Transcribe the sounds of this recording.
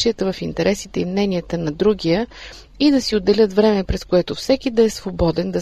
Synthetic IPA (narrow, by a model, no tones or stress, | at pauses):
iət̪əvɐfint̪ɛɾʔɛsit̪ɛimnɛnijət̪ənɐd̪ɾuɡʲijə | id̪ɐsiod̪ːɛlʲɤt̪vɾɛmɛpɾɛskoɛt̪ofsɛkid̪ɐɛsvobɔd̪ɛnd̪ɐ